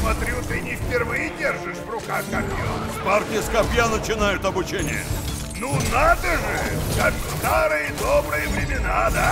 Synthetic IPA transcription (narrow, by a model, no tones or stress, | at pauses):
smɐt̪ɾʲut̪ɨnʲɪfpʲɪrvɨjɪdʲerʐɨʂvrʊkaxkɐpʲjo | partʲɪjəskɐpʲjanət͡ɕɪnajʊt̪ɐbʊt͡ɕenʲɪ̰jə̰ | nunad̪əʐɨkakst̪aɾɨjəd̪obɾɨjəvɾʲɪmʲɪnad̪a